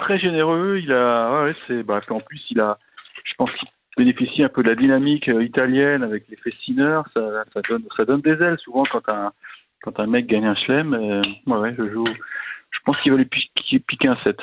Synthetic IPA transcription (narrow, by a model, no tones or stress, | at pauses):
t̪χɛʒeneʁøilawɛwɛsɛbapiɑ̃plysila | ʒ̥ə̥pɑ̃skʲi | benefisiɛ̃pød̪əlad̪inamikøit̪aljɛnavɛklefesinœʁsasad̪ɔnsad̪ɔnd̪ezɛlsuvɑ̃kɑ̃t̪ɛ̃ | kɑ̃t̪ɛ̃mɛk̚ɡaɲɛ̃ʃlɛmwɛwɛʒəʒuʒ̥ə̥pɑ̃skʲivalɥipikpikʲeɛ̃sɛt̪